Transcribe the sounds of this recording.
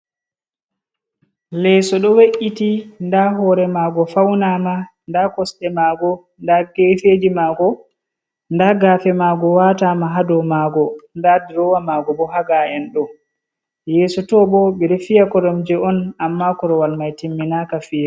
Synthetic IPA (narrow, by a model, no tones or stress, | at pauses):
lɛsɔɗɔweʔitindaɦɔːɾɛmaːɡɔfawnama | ndakɔsɗɛmaɡɔ | ndaɡefed͡ʒimaːɡɔ | ndaɡaːfɛmaɡɔwaːtamaɦadɔmaɡɔndadiɾɔwamaɡɔbɔɦaɡaɛnɗɔ | jɛːsɔtɔɓɔɓɛɾefijakɔɾɔmd͡ʒɛɔnamːakɔɾɔwalmajtimːinakafiː